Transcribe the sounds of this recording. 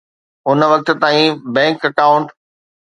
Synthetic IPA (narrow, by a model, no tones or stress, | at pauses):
ʊnʋɐk̚t̪̆t̪aːĩbɛ̃ːŋkɐkaːʊ̃ɳʈ